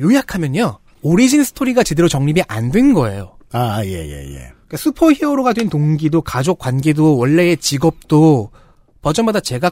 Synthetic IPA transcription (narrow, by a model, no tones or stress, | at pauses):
jojakʰamjʌɲa | oɾid͡ʑinsʰɯ̥tʰoɾiɡat͡ɕe̞deɾot͡ɕʌŋɲibiʔandwe̞nɡʌe̞̰joaje̞̰jḛjḛkasʰupʰʌçioɾoɡadwentoŋɡidokad͡ʑok͈wanɡe̞dowʌɭːe̞ːt͡ɕiɡʌp̚t͈o | pʌd͡ʑʌmadat͡ɕe̞ɡa